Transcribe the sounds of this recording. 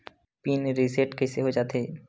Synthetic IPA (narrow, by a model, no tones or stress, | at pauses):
pinɾiseʈkɛseɦod͡ʒaːt̪e